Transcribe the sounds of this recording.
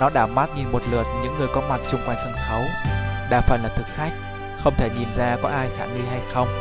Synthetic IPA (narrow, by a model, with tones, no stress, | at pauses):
nɔ˨˦ɗaː˧˩wmaː˦˥t̚ɲi˧˩nmo˨˩t̚lɨː˨˩ət̚ɲɨ̰˧˥ŋːɨ˨˩əjkɔ˨˦ma˨˩t̚t͡ɕʊ˧ŋ͡mkwa˧jŋ̟sɨ˧˩ŋ͡mxə˨˦wɗaː˧˩faː˨˩nlaː˨˩t̪ʰɨ˨˩k̚xa˦˥jk̚ | xə˧wŋ͡mt̪ʰe˧˩t̪i˨˩mzaː˧kɔ˨˦ʔaː˧jxaː˧˩ni˧ɦa˧jxə˧wŋ͡m